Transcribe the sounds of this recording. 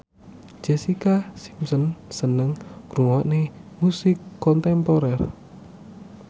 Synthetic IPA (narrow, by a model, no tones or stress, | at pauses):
d͡ʒ̥ɛsikasi̥msɔnsənəŋɾuŋɔʔnemusɪkːɔnt̪ɛmpɔɾɛr